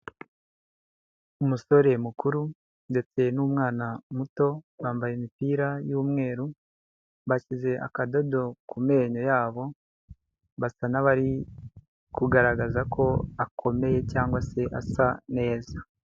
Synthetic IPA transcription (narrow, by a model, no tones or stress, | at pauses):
umuso̞ɾe̞mukuɾu | nde̞t͡se̞numŋaːnamuto̞waːmbajemipiːɾajuːmŋe̞ːɾu | βacize̞ʔa̰kado̞do̞kume̞ːɲo̞jaːβo̞ | βasanaβaɾi | kuɡaɾaɡazakʰo̞akʰo̞me̞je̞caːŋɡwase̞ʔasane̞ːza